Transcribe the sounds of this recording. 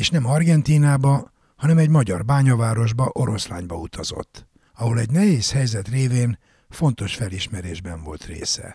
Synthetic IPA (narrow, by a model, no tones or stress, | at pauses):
eːʃnɛmɒrɡɛnt̪iːnaːbɒ | hɒnɛmɛɟmɒɟɒrbaːɲɒvaːɾo̞ʒbɒʔo̞ɾo̞sla̰ːɲbɒut̪ʰɒz̥o̞̰t̪ː | ɒɦo̞lɛɟnɛɦeːshɛjzɛt̪reːveːn | fo̞nt̪o̞ʃfɛliʃmɛɾeːʒbɛɱvo̞̰lt̪rḛːsɛ̰